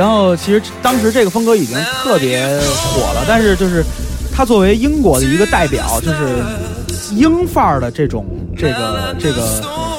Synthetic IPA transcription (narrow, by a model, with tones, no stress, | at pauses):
a˧˥nxo˥˩ʊt͡ɕʰi˧˥ʂɻ̩˧˥t̪ɑ˥ŋʂ̬ɻ̩˧˥ʈ͡ʂɤ˥˩ɡə˩fə˥ŋkɤ˧˥i˨˩t͡ɕi˥ŋt̪ʰɤ˥˩pjɛ˧˥xwɔ̰˨˩lə˦t̪a˥˧nʂ̬ɻ̩˥˧t͡ɕjo˥˧ʊʂɻ̩˥˩t̪ʰa˥t͡swɔ˥˩we˧˥ɪi˥ŋkwɔ˧˥d̪ə˧i˧˥ɡə˧t̪a˥˩ɪpjɑ̰˨˩˦ʊt͡ɕjo˥˧ʊʂ̬ɻ̩˥˩ | i˥ŋfa˥˩lə˩ʈ͡ʂɤ˥˩ʈ͡ʂʊ̰˨˩˦ŋ | ʈ͡ʂɤ˥˩ɡə̰˩ʈ͡ʂɤ˥˩ɡə˩